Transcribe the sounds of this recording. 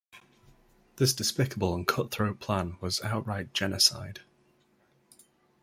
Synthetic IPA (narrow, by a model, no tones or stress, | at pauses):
ðɪsd̥ɪspɪkəbəlˠə̃nkʰʊʔθɹəʊpʰl̥ãnwɒzaʊʔɹaɪʔd̥ʒ̥ɛnəsa̰ɪd̥